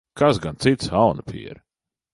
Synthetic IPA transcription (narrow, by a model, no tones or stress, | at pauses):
kasɡant̪sit̪sawnapʰḭɛɾ